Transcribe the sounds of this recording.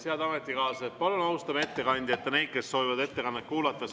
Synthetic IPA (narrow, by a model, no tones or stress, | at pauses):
seɑd̪ɑme̞t̪ʲːˑikɑːsepɑlunɑwst̪ɑmee̞t̪ːe̞kɑnʲd̪̥ʲet̪ːɑne̞jd̥̪ke̞sːo̞vivɑd̪e̞t̪ːe̞kɑnːekkːuːlɑt̪ˑːɑs